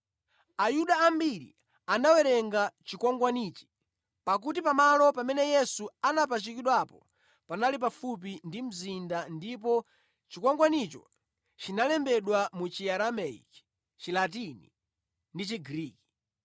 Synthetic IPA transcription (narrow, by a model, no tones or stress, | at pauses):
ajuɗaːmbiɾḭ | anawɛɾɛŋɡat͡ʃikwɔŋɡwaniːt͡ʃi̥ | pak̬utipamalɔpamɛnɛjɛsuanap̬at͡ʃikiɗwapɔ | panalip̬afup̬indim̩zindandip̬ɔ | t͡ʃikwaŋɡwanit͡ʃɔ̰ | t͡ʃinalɛmbɛɗwamut͡ʃiaɾamɛḭk | t͡ʃilat̬inḭ | ndit͡ʃiɡɾiːki̥